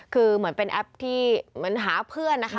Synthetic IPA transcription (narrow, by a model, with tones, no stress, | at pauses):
kʰɯː˧mɯ˩˦ənpe˧nʔɛ˦˥p̚t̪ʰiː˥˩mɯ˩˦ənɦaː˩˦pʰɯ˥˩ənːa˦˥kʰa˦˥